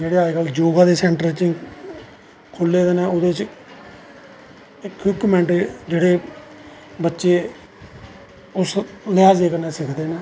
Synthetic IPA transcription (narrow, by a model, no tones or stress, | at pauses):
d͡ʒeːɽeːaːeɡald͡ʒoːɡãːd̪eːsɛ̃ːɳʈəɾt͡ʃĩː | kʰʊlːeːd̪eːnɛ̃ːod̪eːt͡ʃ | ɪkːɪkːmɛ̃ːɳʈd͡ʒeːɽeː | bətːʃeː | ʊslɪaːd͡ʒeːkənɛːsɪkʰd̪eːnɛː